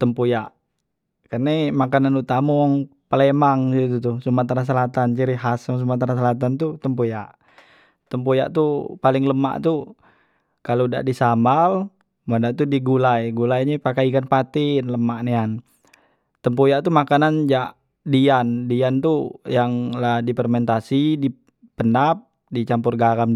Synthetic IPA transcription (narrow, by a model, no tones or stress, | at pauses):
t̪əmpojaʔ | kərnemakananut̪amɔŋpəlemaŋsit̪̬ut̪usumat̪aɾas̬əlat̪ant͡ʃiɾiɦasɔŋs̬umat̪aɾas̬əlat̪̬ant̪ut̪əmpojaʔ | t̪əmpoja̰ʔt̪upalɪŋləma̰ʔt̪u | kaloda̰ʔdisambal | madaʔt̪udiɡulajɡulajɲɛpakaikanpat̪ɪnləmaʔnean | t̪əmpojaʔt̪umakanand͡ʒaʔ | diandiant̪ujaŋladipərmɛnt̪asidi | pənap̚ | dit͡ʃampʊrɡaɡam